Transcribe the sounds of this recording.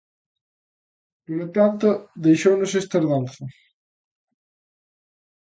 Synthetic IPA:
nuɾt̪ant̪ʊðejʃownʊsest̪ɐzðanθɐ

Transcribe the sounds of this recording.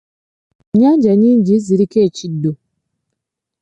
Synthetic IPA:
ɲad͡ʒaɲin̩d͡ʒiziɾiket͡ʃido

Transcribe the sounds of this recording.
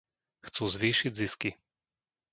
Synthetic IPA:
xt̪sozviːʃid̪ziski

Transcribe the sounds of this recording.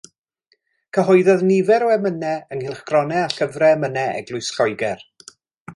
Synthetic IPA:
kʰəɦɔɨðɔðnɪvɛɾɔɛmənɛənhɪlˠχɡ̥rɔnɛaɬəvrɛmənɛɛ̰ɡlˠʊɨsɬɔjɡɛr

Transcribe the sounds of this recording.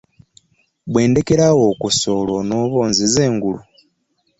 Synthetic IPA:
βwe̞ːnde̞keɾawo̞kuso̞lono̞βo̞ːnzizeːŋɡulu

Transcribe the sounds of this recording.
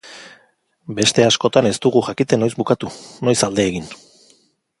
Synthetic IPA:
be̞st̪e̞asko̞t̪ane̞st̪uɣuxakit̪e̞no̞jzbukat̪uno̞jsald̪e̞ːɣin

